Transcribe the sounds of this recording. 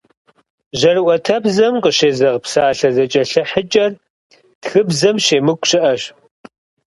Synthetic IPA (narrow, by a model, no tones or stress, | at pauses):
ʑɐrɨʔʷɔtʰɐbzɐmqəɕeːzɐʁpsaːɬɐzɐt͡ʃʼɐɬɐħət͡ʃʼɐr | txɨbzɐmʃeːmɨkʷʼɕɪʔɐɕ